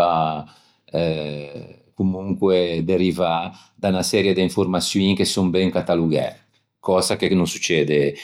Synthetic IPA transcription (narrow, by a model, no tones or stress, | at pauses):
a | ɛ | kumuŋkwed̪eɾiva | d̪anasɛːɾjed̪eiɱfurmasjiŋkesumbɛŋkat̪aluɡɛ̰ɾ | kɔːzakenonsut͡ʃːɛːd̪e